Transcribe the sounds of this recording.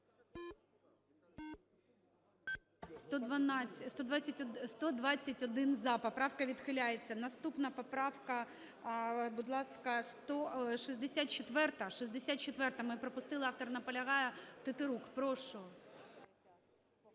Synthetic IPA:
st̪ɔd̪ʋnʲst̪ɔd̪ʋɑt͡sʲɐtʲst̪ɔd̪ʋɑt͡sʲːɐtʲɔd̪ɪnzɐpɔpɾɑwkɐʋʲid̪xɪlʲajet͡sʲːɐnɐst̪upnɐpɔpɾɑwkɐ | bʊd̪lˠɑskɐst̪ɔʃizʲd̪esʲat̪̚t͡ʃet̪ʋɛrt̪ɐʃizʲd̪esʲat̪̚t͡ʃet̪ʋɛrt̪ɐmɪpɾɔpʊst̪ɪlˠɪɑft̪ɔrnɐpɔlʲɐɦɑjɛt̪ɪt̪ɪɾukpɾɔʃɔɔ

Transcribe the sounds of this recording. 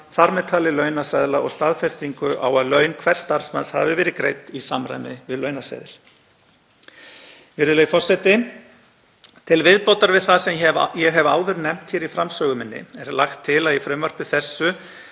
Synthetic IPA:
θaɾmɛt̪ʰaːlɪlœɥnasaðlaʔɔɣst̪aːðfɛst̪iŋkʏʔa̰waðlœːɥnkʰvɛr̥st̪aɾ̥smansha̰vɪvɛːɾɪkɾejt̪isamɾa̰jnɪvɪðlœɥnasa̰jðɪ̰ɾ̥ | vɪɾðʏleɣfɔr̥sɛt̪ɪ | t̪ʰɪlvɪðpowt̪aɾvɪðθasɛmɛjɛɣɦɛva̰ːwðʏɾnɛm̥t̪çɛɾifɾamsœːɣʏmɪnːɪ̰ɛɾlaxt̪ʰːɪlaðifɾœmːœr̥pɪθɛsːʏ

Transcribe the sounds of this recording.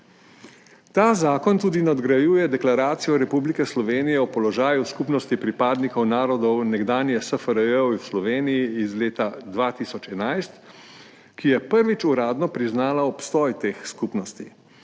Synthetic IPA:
t̪aːzaːkɔnt̪uːd̪inad̪ɡɾajuːjɛd̪ɛklaɾaːt̪sijɔɾɛpublikɛslɔʋeːnijɛɔpɔlɔʒaːjuskupnɔst̪ipɾipaːd̪nikɔwnaːɾɔd̪ɔwnɛɡd̪aːnjɛsəfəɾəəwwslɔʋeːnijiːzleːt̪ad̪ʋaːt̪iːsɔt͡ʃɛnajst̪ | kijɛpəɾʋit͡ʃuɾaːd̪nɔpɾiznaːlaɔpst̪ɔjt̪eːxskupnɔst̪i

